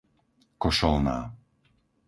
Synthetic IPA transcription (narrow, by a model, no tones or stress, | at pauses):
kɔʃɔlna̰ː